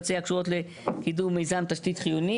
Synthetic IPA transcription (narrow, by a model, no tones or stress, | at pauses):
t͡seakʃuʁo̞tle | kiduʁmːejzant̪aʃtit̪χijuni